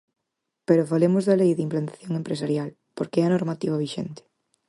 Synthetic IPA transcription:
peɾʊfalemʊzðɐlejðimplant̪ḁθjoŋempɾesaɾjal | poɾkeɛɐnoɾmat̪iβaβiʃent̪ɪ̥

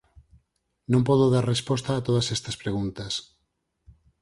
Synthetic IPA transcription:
nõmpɔðoðaɾrespɔst̪aːt̪oð̞ɐsɛst̪ɐspɾeɣunt̪ɐs

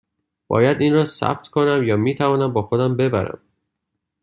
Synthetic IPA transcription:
b̥ɒ̰ːjæd̪iːnrɒːsæ̰b̚t̪ʰkʰonæmjɒːmiːt̪ʰævɒːnæmbɒːxod̪æmbe̞bæɾæ̰m

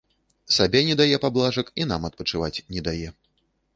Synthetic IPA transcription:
sabʲɛnʲɛd̪ajɛpablˠaʐɐkin̪amɐt̪̚pɐt͡ʂɨvat͡sʲnʲɛd̪ajɛ

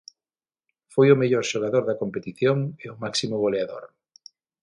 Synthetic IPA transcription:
fojomeʎoɾʃoɣ̞aðoɾðɐkompet̪iθjoŋeomaksimoβ̞oleaðo̰ɾ

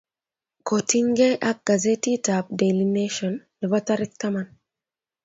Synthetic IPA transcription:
kotiŋɡeʔak̚ɡ̥azetitap̚delineʃɔnlɛvɔtaɾɪk̚taman

